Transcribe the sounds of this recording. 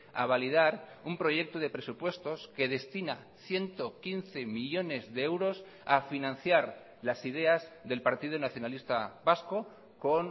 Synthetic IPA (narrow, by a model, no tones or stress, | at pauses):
aβalið̞aɾ | umpɾo̞ʝe̞k̚t̪oð̞e̞pɾe̞supwe̞st̪o̞ske̞ð̞e̞st̪ina̰ | θje̞nt̪o̞kinθe̞miʎo̞ne̞zðeewɾo̞s | afinãn̟θjaɾ | lasið̞e̞azðe̞lpaɾt̪ið̞unaθjo̞nalist̪aβasko̞ | ko̞n